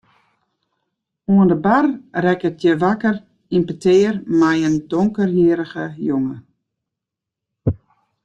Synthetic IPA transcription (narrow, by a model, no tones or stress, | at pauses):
uəndəbarrɛkətjəʋakər | inpətʰeːrmɛjəndoŋkərjiəɾəɣəjoŋə